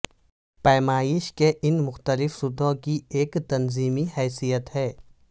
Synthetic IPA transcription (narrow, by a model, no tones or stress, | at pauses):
pɛːmaːjɪʃkeʔɪnmʊxt̪əlɪfsʊd̪ʱõkieːkt̪ɐnziːmihɛːsijət̪ɦɛː